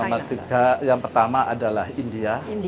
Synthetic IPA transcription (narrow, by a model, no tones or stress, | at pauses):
mat̪uɡajaŋpərt̪amaʔa̰dalahindia